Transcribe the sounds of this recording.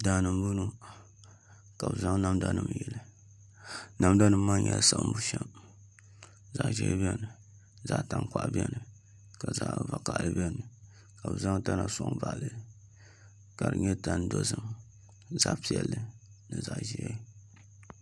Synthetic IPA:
daː˨nɨ˨m˦bu˦nu˦ | ka˨bɨ˨za˦ŋ˦na˦mda˦nɨ˦m˨jɛ˨lɨ˨ | na˦mda˦nɨ˦mː˦a˦ɲɛ˨lsa˨ʔmbu˦ʃɛ˦m | za˨ʔʒɛ̰˦bi˦ɛ˦nɨ˨ | za˦ʔta˨ŋkʷa˨ʔbi˦ɛ˦nɨ˨ | ka˨za˦ʔva˨ka˨ʔlɨ˦bɛ˦nɨ˨ | ka˨bɨ˨za˦ŋta˦na˨so˨˦ŋva˨ʔlɨ˨ | ka˨ɾɨ̰˨ɲɛ˦ta˦n˦do˦zɨ˦m | za˦ʔpi˨ɛ˨lːɨ˦ | nɨ˨za˦˨ʔʒi˨ja˦

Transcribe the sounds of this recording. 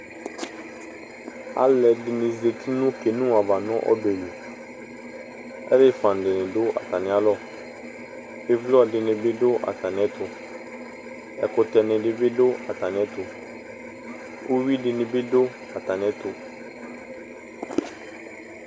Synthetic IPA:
a̰˦lɛ˨dɪ˨nɪ̃˨ze˨ti˦nʊ̃˦ke˨nũ˦a˨va˨nʊ̃˦ʔɔ̰˦bɛ˨we˨ | ɛ̰˦ɾɪ˦fã˨n˨dɪ˨nɪ̃˨dʊ˦ʔa̰˨ta˨nɪ̃˨˦a˦lɔ˦˨ | ɪ˦vlʊ˦a˨dɪ˨nɪ̃˨bɪ˦dʊ˦ʔa̰˨ta˨nɪ̃˨ɛ˦tʊ˨ | ɛ˨kʊ˨tɛ˨nɪ̃˨dɪ˦bɪ˦dʊ˦a˨ta˨nɪ̃˨ɛ˦tʊ˨ | u˦wi˦dɪ˨nɪ̃˨bɪ˦dʊ˦ | a˨ta˨nɪ̃˨ɛ˦tʊ˨

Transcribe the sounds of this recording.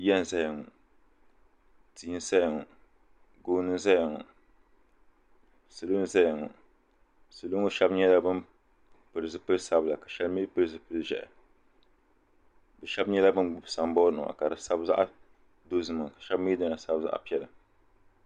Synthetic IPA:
jɛ˦n˨za˦jɪ˨ŋɔ˨ | tʰiː˨˦n˦sa˦jŋɔ˨ | ɡoː˦nɨ˦za˦jŋɔ˨ | sɨ˨lo˦n˦za˦jŋɔ̰˨ | sɨ˨lu˦ŋʊ˦ʃɛ˦bɲɛ˦la˦bɨ˦n | pɨ˨ɾɨ˨zɨ˨pɨ˦lsa˦bla˨ka˨ʃɛ˦lmi˦pɨ˦ɾɨ˨zɨ˨pɨ˦ʒɛ̰˨ʔɛ̰˨ | bɛ˨ʃɛ˦bɲɛ˦la˦bɨ˦nɡ͡bʊ˨bsa˨m˦bɔ˦nɨ̰˨a̰˨ka˨ɾɨ˨sa˦bza̰˦ʔa˦ | do˦zɨ˨mɨ˨ŋ˨ka˨ʃɛ˦bmi˦dɨ˦na˨sa˦bza̰˦ʔa̰˦pi˦ɛ˨la˨

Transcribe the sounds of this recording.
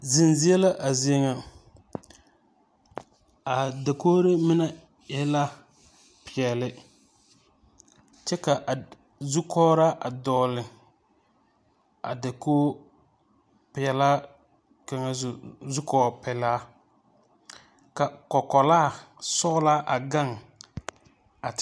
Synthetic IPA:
zɪ˨nzi˦ɛ˦la˦ʔa˨zi˨˦e˦ŋa˨ | a˨da˨koː˦ɾe˦mɪ˦na˦ | jɛ˦la˦ | pɪ˨ɛ˨lɪ˦ | t͡ʃɛ˦ka˨ʔa˨ | zu˦kʰɔː˦ɾa˦ʔa˨dɔː˨lɪ˨ | a̰˨da˨koː˦ | pɪ˨ɛ˨la˦ | ka˨ŋa˦˨zu˦kɔː˨pɛ˨laː˦ | ka˨kɔ˨kɔ˨laː˦˨sɔ˦la˦ʔa˨ɡa˦ŋ | a˨t

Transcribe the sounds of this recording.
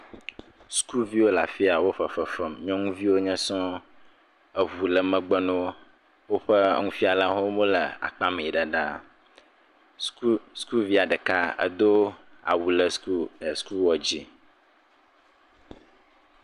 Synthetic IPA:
sku˦vi˦wo˦la˨fi˦a˨wo˦ɸə˨fə˨fɛ˨mɲɔ̃˦ŋũ˦vi˦wo˦ɲɛ̃˦sɔ̃˦ | ə˦vu˨lə˨mə̃˦ɡ͡bɛ˦nɔ̃˦ | wo˦ɸə̰˦ŋũ˦fi˦a˨lã˦ɦo˦mõ˦lə˨a̰˨k͡pa˦mẽ˨i˨ɖa˨ɖa̰˦ | sku˦vi˦a˨ɖə˨ka˦ə̰˦d̪o˦a̰˨wu˨lə˨su˦˨sku˦wɔ˨d͡ʑi˦

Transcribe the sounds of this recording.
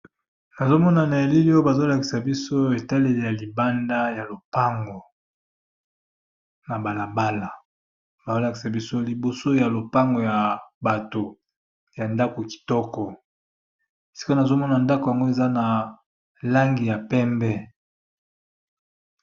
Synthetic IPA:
na˨zo˦mɔ˦na˨na˨e˨li˦li˦o˦e˦ba˨zo˦la˨ki̥˨sa˨bi˦so˦e˨ta˦le˦˨le˨ja˨li˨ba˦nda˦ja˨lo˨pa˦ŋɡo˨ | na˨ba˨la˨ba˦la˨ | ba˨zo˦la˨ki̥˨sa˨bi˦so˦li˨bo˨so˦ja˨lo˨pa˦ŋɡo˨ja˨ba˨to˨ | ja˨nda˦ko˨ki̥˨tɔ˦kɔ˨ | si̥˦ko˦na˨zo˦mɔ˦na˨nda˦ko˨ja˨ŋɡo˦e˨za˦na˨ | la˦ŋɡi˨ja˨pɛ˦mbɛ˦

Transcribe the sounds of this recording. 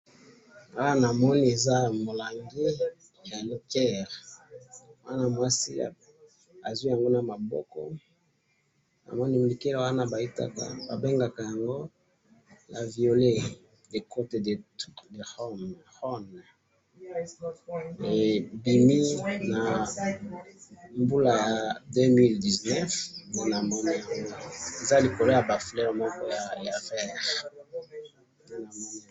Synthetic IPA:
a˦wa˦na˨mɔ˦ni˦e˨za˦mo˨la˨ŋɡi˦ | a˨li˨kɛ˦˨ʁ | wa˦na˦mwa˦sḭ˦˨ | a˨zwi˦ja˨ŋɡo˦na˨ma˨bɔ̰˦kɔ̰˦ | na̰˨mɔ˦ni˦˨i˨ke˦lwa˦na˦ba˨i˦ta̰˦ka̰˨ba̰˨be˦ŋɡa˨ka˨ja˨ŋɡo˦ | na˨vi˨o˨le˦ | de˨ko˦te˨de˨tu˦de˨ʁɔ˦mʁɔ˦n | e˨bi˨mi˦na˨ | mbu˦la˨ja˨dø˦mi˦ldi˨znɛ˦fpe˦na˨mɔ˦ni˦˨ja˨ŋɡo˦e˨za˦li˨ko˨lo˦ja˨ba˨fi˨lɛ˦ʁmɔ˦kɔ˦ja˨a˨vɛ˦˨ʁ | na˨mɔ˦ni˦˨

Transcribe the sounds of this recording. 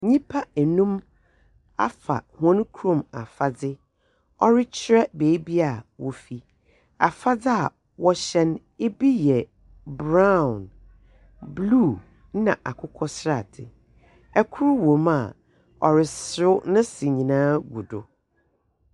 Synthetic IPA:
ɲĩ˦pʰa˦ɛ˨nũ˦m | a̰˦fa̰˨hɔ̃˦n˦kʰɾõ˨ma̰˨fa˦dɪ˦ | ɔ˦ɾɪ˦t͡ɕʰɪ˦ɾɛ˦beː˨˦bi˦a˨wɔ˨fi˦ | a̰˨fa˦d͡zɪ˦a˨ | wɔ˦ɕɛ̃˦n | e˦bi˦jɛ˨ | bɾa˦˨n | bluː˦˨˦ | nã̰˨ʔa˨kʰʊ˦kʰɔ˦sɾa˨tʰɪ̰˨ | ɛ˦kʰʊ˦ɾwõ˨ma˨ | ɔ˨ɾɪ˨sɾʊ˦nʊ̃˦sɪ˨ɲĩ˨nãː˦ɡu˨dʊ̰˨

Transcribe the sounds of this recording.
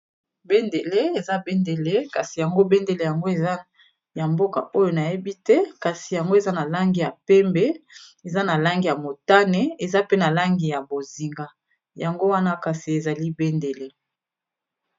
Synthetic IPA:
be˦nde˨le˦e˨za˦be˦nde˨le˦ka˨si˨ja˨ŋɡo˦be˦nde˨le˨ja˨ŋɡo˦e˨za˦ | ja˨mbo˦ka̰˨ʔo˦jo˨na˨je˦bi˦tɛ˦ka˨si˨ja˨ŋɡo˦e˨za˦na˨la˦ŋɡi˨ja˨pɛ˦mbɛ˦e˨za˦na˨la˦ŋɡi˨ja˨mo˨ta˦nɛ˨e˨za˦pe˦na˨la˦ŋɡi˨ja˨bo˨zi˨ŋɡa˦ | ja˨ŋɡo˦wa˦na˦ka˨si˨e˨za˨li˦be˦nde˨le˦

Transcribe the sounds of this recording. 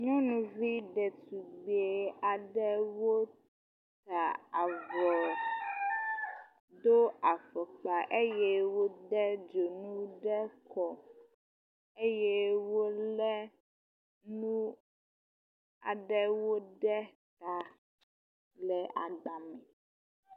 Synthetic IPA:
ɲɔ̃˦nũ˨vi˦ɖɛ˨t̪u˨ɡ͡be˨a˨ɖɛ˦wo˦ | t̪a˨a˨vɔ˨ | d̪o˦a˨fɔ˨k͡pa˨ʔe˦jɛ˦wo˦ɖɛ˦d͡ʒo˨nũ˦ɖɛ˦kʰɔ˨ | e˦jɛ˦wo˦lɛ˦ | nũ˦ | a̰˨ɖɛ˦wo˦ɖɛ˦t̪a˨ | lɛ˨ʔa˨ɡ͡ba˨mɛ˨

